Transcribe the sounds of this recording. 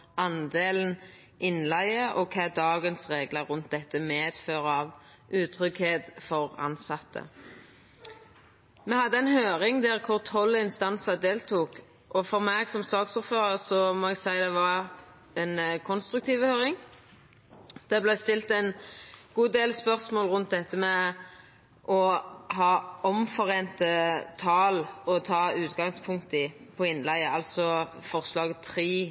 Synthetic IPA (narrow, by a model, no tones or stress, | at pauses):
ʔɑnd̪eːln̩ | ʔɪnlæɪəʔɔkʰɑd̪ɑːɡənsʁeːɡləʁʉnt̪̚d̪ɛt̪ːəmeːd̪̥føːʁəɑʋ | ʔʉːt̪ʰʁʏkheːd̪fɔʁɑ̰nsɑt̪ʰːə̰ | mɛhɑd̪ːəɛnhøːʁɪŋd̪æʁkʰʊʁt̪ʰɔlːəɪnst̪ɑnsəd̪eːlt̪ʰuːk | ʔɔfɔʁmɛɡsɔmsɑːksʊɾføːʁəʁsɔmɔːɛɡsæɪd̪ɛʋɑ | ɛnkʰɔnst̪ɾʉk̚t̪ʰiːʋəhøːɾɪŋ | d̪̥ɛblæɪst̪ɪlt̪æɪnɡ̥uːd̪eːlspœʁsmoːlʁʉnt̪̚d̪ɛt̪ʰːəmɛ | ʔɔɦɑːɔmfɔʁeːnt̪ət̪ʰɑːlɔt̪ʰɑːʉːt̪ɡɑŋspʰʊŋk̚t̪ɪpʰɔɪnːlæɪəɑlt̪sɔfɔʁslɑːɡət̪ʰʁiː